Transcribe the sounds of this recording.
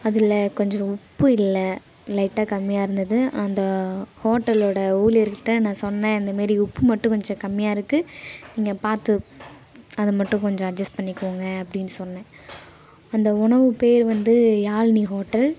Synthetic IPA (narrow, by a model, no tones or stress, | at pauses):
ɐðɪlɐkɔɲd͡ʒɔ̃ʊpːɯɪlːɐ | lɐɪʈːaːkɐmːɪjaːɪɾɯnd̪ɐðɯɐnd̪ɐhoːʈːɐloːɽɐuːlɪɾkːɪʈːɐnãːsɔnːnẽːɪnd̪ɐmaːɾiʊpːɯmɐʈːʊ̃kɔɲd͡ʒɔ̃kɐmːɪjaːɪɾɯkːɯniːŋɡɐpaːɾt̪ɯ | ɐðɯmɐʈːʊ̃kɔɲd͡ʒɔ̃ɐd͡ʒɐsʈ̚pɐɳːɪkːɯoːŋɡɐɐpːɐɽɪnːɯsɔlːɐnẽː | ɐnd̪ɐʊɳɐʋɯpeːɾʋɐnd̪ɯjaːlniɦoːʈːɐl